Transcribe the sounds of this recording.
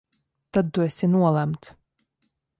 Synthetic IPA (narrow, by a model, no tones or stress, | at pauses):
t̪ad̪̚t̪uesʲinuɔlˠæmt̪s